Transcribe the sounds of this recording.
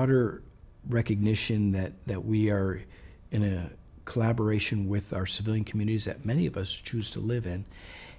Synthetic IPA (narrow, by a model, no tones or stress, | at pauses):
ɾə˞ | ɹɛkɨɡ̚nɪʃɨ̃nðɨt̪̚ðɨʔwiə˞ | ɨ̃nɨ | kʰəlæbə˞eɪʃɨ̃nwɪða̰ʊə˞sɨvɪlˠjɨ̃nkʰmjʉnɨɾizðɨ̰t̚mɛñiʌvʌst͡ʃʰʉz̥tʰə̰lɪvɪ̃n